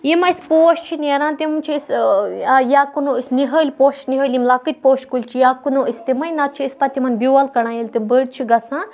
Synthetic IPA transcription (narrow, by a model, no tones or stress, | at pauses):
jimɐispoːʃt͡ʃʰinʲeɾãːt̪imunʲt͡ʃʰisajaːkunoisniɦəːlʲpoːʃt͡ʃniɦəːlʲimlakɨt̪̚ʲpoːʃkulʲt͡ʃʰijakunoːist̪imɐjnat̪t͡ʃʰiːspɐt̪imɐnbʲjuɐlkɐɽãjelʲt̪ibəɽt͡ʃʰiɡɐsãː